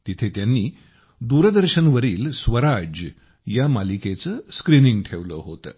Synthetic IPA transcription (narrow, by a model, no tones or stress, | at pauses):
t̪it̪ʰet̪janːiː | d̪uɾəd̪əɾɕənʋəɾiːlsʋəɾad͡ʑə | jamaliket͡səːskɾiniŋɡʈʰeʋləɦot̪ə̰ː